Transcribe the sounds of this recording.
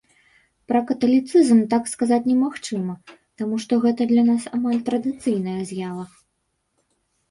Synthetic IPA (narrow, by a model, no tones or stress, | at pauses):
pɾɐkɐt̪ɐlʲit̪sɨzmt̪akskazat͡sʲnʲɛmaxt͡ʂɨmɐt̪amuʂt̪ɔɣɛt̪ɐd̪lʲɐnasamalʲt̪ɾɐd̪ɨt̪sɨjnɐjɐzʲjavɐ